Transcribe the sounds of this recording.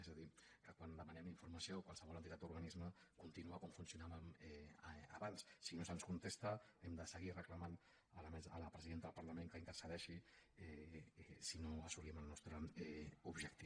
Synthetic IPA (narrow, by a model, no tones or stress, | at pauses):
ezəðikəkwand̪əmənɛmd̪iɱfuɾmɐsioːkwalˠsəβɔlənt̪it̪ad̪uɾɣənizməkunt̪inuəkɔɱfunsiunaβmɛə̰βanssinosənskunt̪est̪əɛmd̪əsəɣirəkləman | əlmɛzələpɾəziðent̪əðəlpɐɾləmeŋkəint̪əɾsəðɛʃiɛɛsinoəsuliɛməlˠnɔst̪ɾəɛubʒək̚t̪i